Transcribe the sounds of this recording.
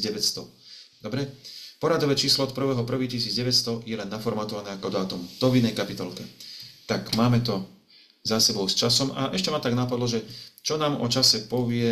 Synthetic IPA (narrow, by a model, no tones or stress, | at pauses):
ɟɛʋɛst̪ɔd̪ɔbɾɛpɔɾad̪ɔʋɛːt͡ʃiːslɔɔt̪̚pr̩ʋɛːɦɔpr̩ʋiːcis̬iːd͡zɟɛʋɛtst̪ɔjɛlɛnːafɔɾmaːt̪ɔʋanɛːakɔd̪ɔat̪ɔmud̪̥ɔʋinɛjkapit̪ɔlkɛt̪akmaːmɛt̪ɔ | zasɛbɔʊst͡ʃasɔma̰ʔɛʃcɛmat̪aɡnapad̪lɔʒɛt͡ʃɔnaːmɔt͡ʃasɛpɔʋɪɛ